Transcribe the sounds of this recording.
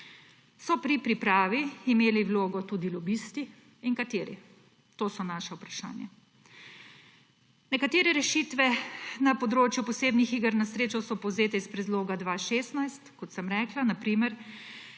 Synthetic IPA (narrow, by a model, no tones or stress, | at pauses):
sɔpɾipɾipɾaːʋiimeːliwloːɡɔt̪uːd̪ilɔbist̪i | iŋkat̪eːɾḭ | t̪oːsɔnaʃaupɾaʃa̰ːnja | nɛkat̪eːɾɛɾɛʃiːt̪ʋɛnapɔd̪ɾoːt͡ʃjupɔseːbnixiɡəɾnasɾeːt͡ʃɔsɔpɔwzeːt̪ɛispɾɛd̪loːɡad̪ʋaːʃeːst̪najst̪kɔt̪səmɾɛːklanapɾimɛɾ